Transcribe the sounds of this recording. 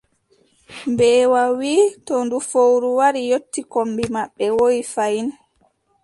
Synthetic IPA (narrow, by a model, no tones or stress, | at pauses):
mbɛːwawiːtɔndufowɾuwaɾijotːikombimaɓːɛwojfajin